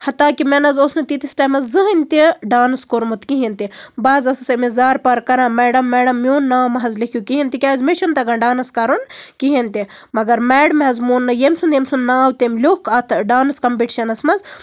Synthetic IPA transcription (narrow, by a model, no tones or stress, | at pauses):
hɐt̪aːkimɛnɐzosnɨt̪it̪isʈaːmɐzzɨɦɐnʲt̪iɖaːnɨskoɾmut̪kiɦint̪ibaːzɐsɨsɐmizaːɾpɐɾkɐɾãːmɛːɖɐmːɛːɖɐmːjoːnːaːmɐɦɐzlikʰʲjukiɦint̪ikʲaːzmeʃɐnt̪ɐɡɐnɖaːnɐskɐɾunkiɦint̪i | mɐɡɐɾmɛːɽɐmɐzmuːnːɨjemsund̪jemsunːaːwt̪emlʲoːkɐt̪ʰɖaːnɐskɐmpiʈiʃɐnɐsmɐz